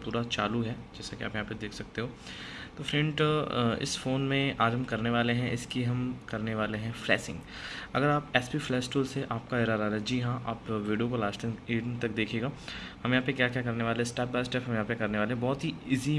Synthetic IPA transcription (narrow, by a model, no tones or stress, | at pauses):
puːɾat͡ʃaːluɦɛːd͡ʒɛːsakiaːpjɐɦãːped̪eːkʰsɐk̚t̪eɦoː | t̪oːfɾɛ̃ɳʈɪ̰sfoːnmẽaːɾəmkɐɾneʋaːleɦɛ̃ʔɪskiɦɐmkɐɾneʋaːleɦɛ̃flɛːsɪ̰̃ŋɡ | ɐ̰ɡəɾaːpɛːspiːflɛːsʈuːlseʔaːp̚kaɪɾaːɾaːɾaɦɛd͡ʒiːɦãʔaːpʋiːɖijokolaːt͡ʃt̪ɐ̃ŋeːɖnt̪ɐk̚d̪eːkʰeːɡaː | hɐmjɐɦãpekjaːkjaːkɐɾneʋaːleɦɛsʈɛːp̚baːsʈɛːpʰɦɐmjɐɦãːpekɐɾneʋaːleɦɛ̃bɔːt̪ɦiɪzi